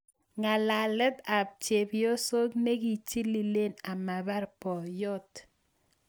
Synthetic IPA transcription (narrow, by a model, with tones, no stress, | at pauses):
ŋa˨la˨lə˦t̪a˨p̚t͡ʃe˨bjo˦so˦k̚ne˦ɡi˨t͡ʃi˦li˨le˦˨na˨ma˨ba˦ɾpɔ˨jɔ˦t̪